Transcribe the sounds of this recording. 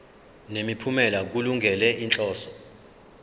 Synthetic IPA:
nemipʰumɛlak̬uluŋɡʱɛlɛʔint͡ɬʼɔːsɔ̥

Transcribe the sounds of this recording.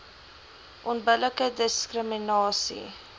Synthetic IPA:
ʔɔnbələkədəskrəminɑːsḭ

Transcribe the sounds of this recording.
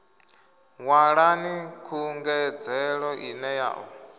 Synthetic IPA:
ŋwaɺanikʰuŋɡɛd͡zɛɺɔʔinɛja̰ːʔɔ

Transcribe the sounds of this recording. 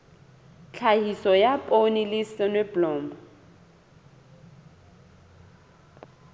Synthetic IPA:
t͡ɬʰahisɔjapʼonilɪsɪnwɛblɔːmba

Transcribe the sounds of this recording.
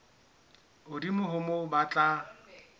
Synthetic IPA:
ʊdimʊɦʊmʊbat͡ɬʼa

